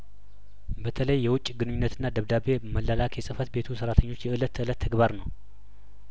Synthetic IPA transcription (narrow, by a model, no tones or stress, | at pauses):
bət̪ʰələjːɛwʊt͡ʃʼːɡɨnɨɲːunːət̪ɨnːad̪əβd̪aβe̞məlːalakʰjɛsʼɨfət̪be̞t̪ʰusəɾat̪ʰəɲːo̞t͡ʃːjɛʔɨlət̪ʰːəɨlət̪ʰːəɡbaɾnəw